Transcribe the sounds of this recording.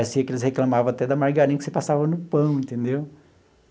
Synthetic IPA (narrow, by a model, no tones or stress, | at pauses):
esiɐkɪelɪsheklɐ̃mavɐ̃at̪ɛd̪ɐmaɾɡaɾĩɐkɪ̥sepasavɐnʊpɐ̃w̃ĩnt̪ẽnd̪ew